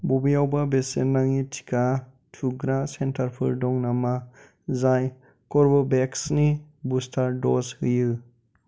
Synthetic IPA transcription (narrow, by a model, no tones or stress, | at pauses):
bobijawbabesenːaŋitʰi̥kʰa | tʰuɡɾasentʰaɾpʰɯ̰ɾdɔŋnama | zaj | kɔɾbɔbeksnibustʰaɾdɔshɯjɯ